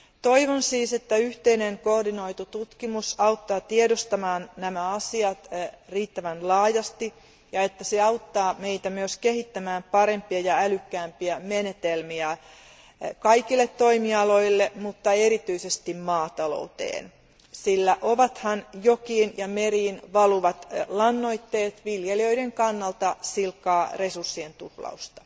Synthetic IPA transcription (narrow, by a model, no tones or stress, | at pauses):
t̪o̞iʋonsiːse̞t̪ːæyht̪eineŋko̞rdino̞it̪ut̪ut̪kimusɑuwt̪ːɑːt̪iedost̪ɑmɑːnnæmæɑsiɑt̪riːt̪ːæʋænlɑːjɑst̪i | jɑe̞t̪ːæseɑut̪ːɑːme̞it̪æmyøske̞ɦit̪ːæmæːmpɑɾe̞mpiɑjɑælykːæːmpiæmene̞t̪elmiæ | kɑikilːet̪toimiɑlo̞ilːemut̪ːɑeɾit̪yisest̪immɑːt̪ɑlo̰ut̪ḛːn | silːæʔoʋɑt̪hɑnjokiːnjɑmeriːnʋɑluʋɑt̪lɑnːoit̪ːeːt̪ʋiljeliøideŋkɑnːɑlt̪ɑsilkːɑːresursːient̪uhlɑ̰ust̪ɑ̥